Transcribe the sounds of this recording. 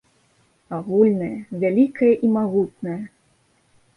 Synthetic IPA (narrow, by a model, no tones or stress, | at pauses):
aɣulʲnɐjɐvʲalʲikʰɐjɐʔimaɣut̪̚nɐjɐ